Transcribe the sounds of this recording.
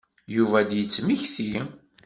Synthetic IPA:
juvæd̪jət͡sːmiçθi

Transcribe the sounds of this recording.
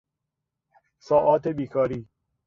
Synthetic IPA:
sɒːʔɒːt̪ʰebiːkʰɒːɾiː

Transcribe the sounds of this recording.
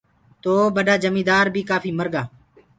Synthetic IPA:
t̪oːbəɗaːd͡ʒəmiːd̪aːɾbʱiːkaːfiːməɾɡaː

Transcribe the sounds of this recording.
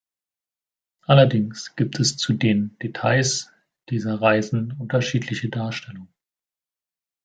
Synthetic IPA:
ʔalɐdɪŋsɡ̥iːp̚tʰɛst͡sudeːnd̥etʰaɪs | d̥iːzɐʁaɪzn̩ʊntɐʃiːtʰlɪçədaːɐʃtʰɛlʊŋə

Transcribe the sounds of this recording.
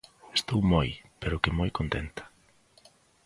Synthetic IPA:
est̪owmojpeɾʊkɪmojkont̪ent̪ɐ̥

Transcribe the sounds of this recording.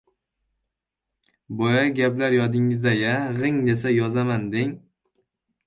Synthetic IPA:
bɒjaɡʲaplaɾjɒd̪ɪŋɪzd̪ajaʁɨŋd̪e̞sajɒzamand̪eŋ

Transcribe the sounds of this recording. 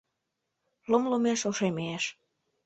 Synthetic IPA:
lomlomeʃoʃemeeʃ

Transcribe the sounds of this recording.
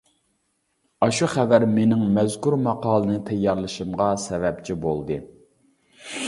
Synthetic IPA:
ɑʃuχævæɾmenɪŋmɛzkuɾmɑqɑːlˠənɨt̪ʰɛjːɑɾlˠɨʃɨmʁɑsɛvɛp̚t͡ʃʰibolˠd̪ɨ

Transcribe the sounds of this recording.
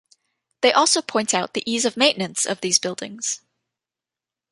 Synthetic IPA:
ðeɪʔɔlˠsoʊpʰɔ̃ɪ̃ntaʊt̪̚ðiʔizʌvmẽɪ̃nɨ̃ntsʌ̰vðizbɪlˠdɪ̰̃ŋz̥

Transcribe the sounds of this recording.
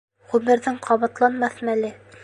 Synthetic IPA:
ʁʉmɘ̆ɾðɘɴqʰɑβɑt̪lˠɑnmɑθɤnælɘ

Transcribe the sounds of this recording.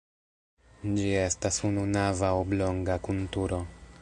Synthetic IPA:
d͡ʒie̞stasununavaoblo̞ŋɡakultuɾo̞

